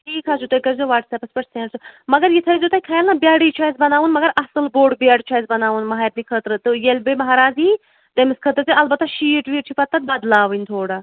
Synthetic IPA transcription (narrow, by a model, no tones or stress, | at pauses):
ʈʰiːkʰasut̪ojkɐɾzoʋaːʈsepɐspʲɐʈseːsʰɨmɐɡɐɾjit̪ʰɐɾizʲut̪aːjʲkʰajalnɐbʲjaːɽit͡ʃʰaːjzbɐnaːʋunmɐɡɐɾɐsɨlboːɖbʲaːɽt͡ʃʰaːjzbɐnaːʋunmɐɦaːjt̪nikʰət̪ɾɨt̪ɨjelʲbemɐɦaːɾaːzi | t̪emiskʰət̪ɾt͡sɨɐlbɐt̪ːaʃiːʈʋiːʈt͡ʃʰipɐt̪ːɐt̪̚bɐd̪laːʋɨnʲt̪ʰoːɽa